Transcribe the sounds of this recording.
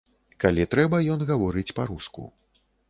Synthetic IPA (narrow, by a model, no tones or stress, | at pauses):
kalʲit̪ɾɛbɐjɔnɣavɔɾɨt͡sʲpaɾuskṵ